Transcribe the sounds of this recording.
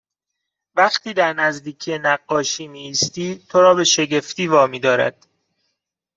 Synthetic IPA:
væqt̪ʰiːd̪æɾnæzd̪iːcʰijenæɢːɒːʃiːmiːst̪iːt̪ʰoɾɒːbe̞ʃe̞ɟe̞ft̪iːvɒːmiːd̪ɒːɾæ̰d̪̥

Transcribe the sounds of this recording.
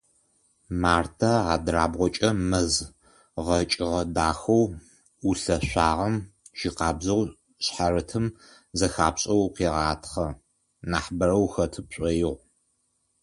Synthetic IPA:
maːrtʰɐaːdraːbʁʷɔt͡ʃʼɐmɐz | ʁɐt͡ʃʼɪʁɐdaːxɐw | uɬɐɕʷaːʁɐmʒ̥iqɑːbzɐw | ɕħaɾɨtʰɨm | zɐxaːpɕʼɐwqeːʁɑːtʰχɐ | naːħbɐɾɐwxɐtʰɨpɕʼɐjɪʁʷ

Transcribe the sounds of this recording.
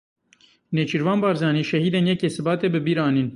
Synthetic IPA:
neːt͡ʃʰiɾvɑːnbɑːɾzɑːniːʃɛhiːd̪enjɛkeːsɨbɑːt̪eːbɨbiːɾɑːniːn

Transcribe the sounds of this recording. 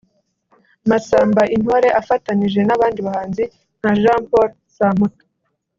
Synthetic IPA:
masaːmbaʔinho̞ɾe̞ʔafataniʒe̞naβaːndiβahaːnzi | n̥haʒaːmpoɾ | sam̥utḁ

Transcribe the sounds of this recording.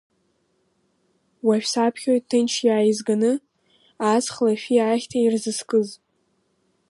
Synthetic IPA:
waʃᶣsapʰχʲojttʰːɨnt͡ʃʰjaːjizɡanɨ | at͡sχlaʃʲᶣiaːχʲtʰairzɨskʼɨz

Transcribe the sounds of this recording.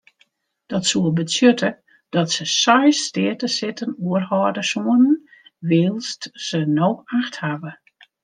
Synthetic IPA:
d̥ɔtsuəbəsjøtə | d̥ɔtsəsɔjstɪətəsɪtənuərhɔːdəsuənən | ʋɪːlˠstsənoːkaxthavə

